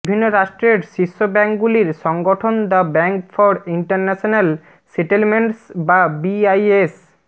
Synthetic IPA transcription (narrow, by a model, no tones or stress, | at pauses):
bʱinːoɾaʃʈɾeɾʃiʃːobɛŋkɡuliɾʃɔŋɡoʈʰond̪abɛŋkfɔɾiɳʈaɾnɛʃonal | seʈelmeɳʈsbabiajes